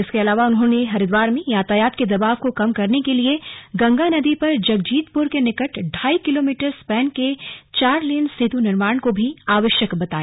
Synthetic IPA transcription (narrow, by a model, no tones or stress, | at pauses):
ɪskeɐlaːʋaʊnɦõneɦɐɾɪd̪ʋaːɾmẽjaːt̪ajaːt̪ked̪ɐbaːʋkokɐmkɐɾnekelieɡɐ̃ŋɡanɐd̪ipɐɾd͡ʒɐɡd͡ʒiːt̪pʊɾkenɪkəʈɖʱaːikɪloːmiːʈəɾspɛːnket͡ʃaːɾliːənsɪd̪ʱunɪɾmaːɳkobʱiaːʋəʃjəkbɐt̪aːjaː